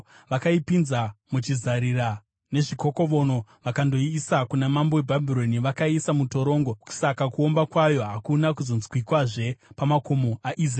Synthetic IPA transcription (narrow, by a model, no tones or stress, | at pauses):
ʋakaipinzamut͡ʃizaɾira | ne̞ʐiko̞ko̞ʋo̞no̞ʋakando̞iːsakunamamboebʱabʱiɾo̞niʋakaisamuto̞ɾo̞ːŋɡoku̥sakakuo̞mbakwajo̞ɦakunak̬uzo̞nzwikwaʐe̞pamakomoʔaʔizra